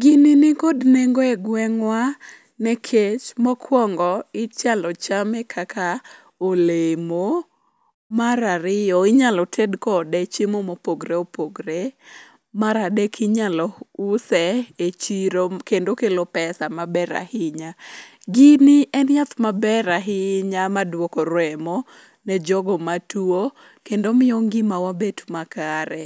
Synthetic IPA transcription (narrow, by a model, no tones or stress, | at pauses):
ɡininɪkodneŋɡoɛɡwɛŋwa | nɛkʰet͡ʃmɔkʰwɔŋɡɔɪt͡ʃalɔt͡ʃamɛkʰakʰa | olemo | maɾaɾɪjɔɪɲalɔtʰedkɔdɛt͡ʃemomopoɡɾeopoɡɾe | maɾadekʰiɲalɔusɛet͡ʃiɾokendokelopɛsamabɛɾa̰hɪɲa | ɡiniɛnjat̪mabɛɾaɦɪɲamadwɔkɔɾwɛmɔ | nɛd͡ʒɔɡɔmatuo | kendomɪoŋɡɪmawabetumakaɾɛ